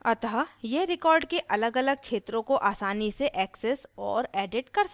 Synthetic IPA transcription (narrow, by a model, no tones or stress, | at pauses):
ɐt̪ɦajeɦɾɪkɔːɾɖkeʔɐləɡɐləɡ̚t͡ʃʰeːt̪ɾõkoʔaːsaːniseʔɛːksɛsɔːɾɛːɖɪʈkɐɾs